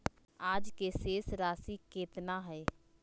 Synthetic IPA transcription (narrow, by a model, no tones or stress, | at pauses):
aːd͡ʒkeseːsɾaːsikeːt̪naɦɛː